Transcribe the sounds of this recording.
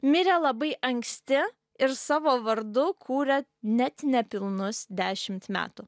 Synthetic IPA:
mʲɪɾʲelˠɐbɐɪʔɐŋʲksʲt̪ʲɪ | ɪɾsɑːʋoːʋɐɾd̪ʊkʰuːɾʲɛnʲɛt̪nʲɛpʲɪlˠnʊsd̪ʲæːʃʲɪmʲt̪mʲæ̰ːt̪ʊ

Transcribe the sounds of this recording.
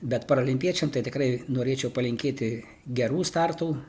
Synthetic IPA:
bʲɛt̪pɐɾoːlʲɪmʲpʲiɛt͡ʃʲɛmt̪ɐɪt̪ʲɪkrɐɪnoːɾʲeːt͡ʃʲɛʊpɐlʲɪŋʲkʲeːt̪ʲɪ | ɡʲɛɾuːst̪ɑrt̪uː

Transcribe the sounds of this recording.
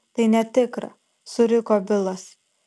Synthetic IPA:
t̪ɐɪnʲɛt̪ʲɪkɾɐ̰ | sʊɾʲɪkoːbʲɪlˠɐs

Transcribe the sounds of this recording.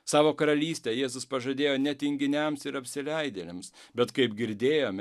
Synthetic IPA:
sɑːʋoːkɐɾɐlʲiːsʲt̪ʲeːjeːzʊspɐʒɐd̪ʲeːjoːnʲɛt̪ʲɪŋʲɡʲɪnʲɛmsɪɾɐpʲsʲɪlʲɛɪd̪ʲelʲɛmsbʲɛt̪kɐɪpɡʲɪɾʲd̪ʲeːjoːmʲ

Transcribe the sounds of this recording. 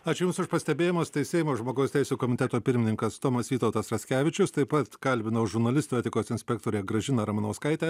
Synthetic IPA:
ɑːt͡ʃʲʊjʊmsʊʃpɐsʲt̪ʲɛbʲeːjɪmoːst̪ɐɪsʲɛɪmoːʒmoːɡɐʊsʲt̪ʲɛɪsʲuːkoːmʲɪt̪ʲɛt̪oːpʲɪɾʲmʲɪnʲɪŋkɐst̪oːmɐsʋʲiːt̪ɐʊt̪ɐsɾɐsʲkʲæːʋʲɪt͡ʃʲʊst̪ɐɪpɐt̪kɐlʲbʲɪnɐʊʒʊɾnɐlʲɪsʲt̪ɛːt̪ʲɪkoːsɪnʲsʲpʲɛk̚t̪oːɾʲeːɡɾɐʒʲɪnɐɾɐmɐnoːskɐɪt̪ʲɛ

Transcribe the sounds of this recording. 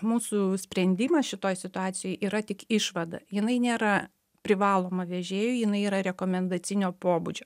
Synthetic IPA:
muːsʊsʲpʲɾʲɛnʲd̪ʲimɐsʃʲɪt̪oːjsʲɪt̪ʊɑːt̪sʲɪjoːjʔiːɾɐt̪ʲɪkɪʃʋɐd̪ɐ̰jɪnɐɪnʲeːɾɐ | pʲɾʲɪʋɑːlˠoːmɐʋʲɛʒʲeːjʊjɪnɐɪiːɾɐɾʲɛkoːmʲɛnd̪ɐt̪t͡s̪ʲɪnʲoːpoːbud͡ʒʲoː

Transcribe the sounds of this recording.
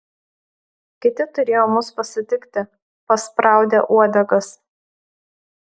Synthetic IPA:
kʲɪt̪ʲɪt̪ʊɾʲeːjoːmʊspɐsʲɪt̪ʲɪkt̪ʲɪ | pɐspɾɑˑʊd̪ʲɛ̰ʔuɔd̪ʲɛɡɐs

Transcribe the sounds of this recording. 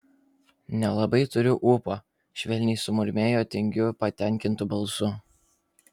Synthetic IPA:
nʲɛlˠɐbɐɪt̪ʊɾʲʊʔupoː | ʃʲʋʲɛlʲnʲɪɪsʊmʊɾʲmʲeːjoːt̪ʲɛŋʲɡʲʊpɐt̪ʲɛˑŋʲkʲɪnt̪ʊbɐlˠsʊ

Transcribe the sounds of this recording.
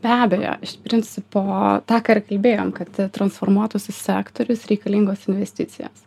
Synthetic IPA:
bʲæːbʲejo̰ːɪʃt̪ʲpʲɾʲɪnʲsʲɪpoːt̪ɑːkɑːɪrkɐlʲbʲeːjoːmkɐt̪ɪt̪ɾɐnsfoːrmuɔt̪ʊsʲʊssʲæːkt̪oːɾʲʊsɾʲɛɪkɐlʲiŋɡoːsɪnʲʋʲɛsʲt̪ʲɪt̪sʲɪ̰jo̰ːs

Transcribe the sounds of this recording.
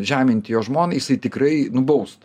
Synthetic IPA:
ʒʲæːmʲɪnʲt̪ʲɪjoːʒmoːnʲjɪsɐɪt̪ʲɪkɾɐɪnʊbɐʊst̪

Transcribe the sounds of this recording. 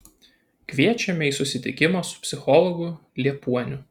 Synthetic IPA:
kʋʲiɛt͡ʃʲɛmʲɛiːˑsʊsʲɪt̪ʲɪkʲɪmoːsʊ̥pʲsʲɪxɔlˠɔɡʊ | lʲiɛpuɔnʲʊ

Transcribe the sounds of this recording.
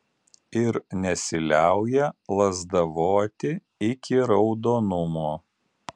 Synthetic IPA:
ɪɾnʲɛsʲɪlʲæˑʊjɛlˠɐzd̪ɐʋoːt̪ʲɪ | ɪkʲɪɾɒʊd̪oːnʊmoː

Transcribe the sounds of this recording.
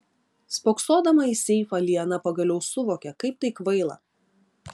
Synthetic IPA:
spoːksoːd̪ɐmɐiːsʲɛɪfɐlʲiɛnɐpɐɡɐlʲɛʊsʊʋoːkʲɛkɐɪp̚t̪ɐɪkʋɐɪlˠɐ̰

